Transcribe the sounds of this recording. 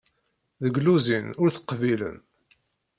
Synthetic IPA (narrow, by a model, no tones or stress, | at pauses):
ðəɡluzinʊɾθə̥qːvilə̰n